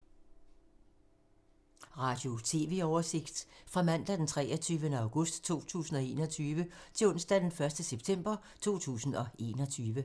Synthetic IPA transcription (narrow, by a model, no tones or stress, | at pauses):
ʁɑ̈d̥jo̝t͡sʰe̝̰ːʋe̝ɒʊɐse̝ɡ̥d̥fʁɑ̈mæn̰d̥ɐd̥ent͡sʰʁɛːɐt͡sʰyːʋənəɑ̈ʊɡ̥ɔ̽sd̥t͡sʰo̝̰ːt͡sʰṵːsn̩ɒ̽e̝ːnɒ̽t͡sʰyːʋət͡sʰe̝ɔ̽n̰sd̥æd̥enfɶɐsd̥əseb̥̚t͡sʰem̰b̥ɐ | t͡sʰo̝̰ːt͡sʰṵːsn̩ɒ̽e̝̰ːnɒ̽t͡sʰyːʋə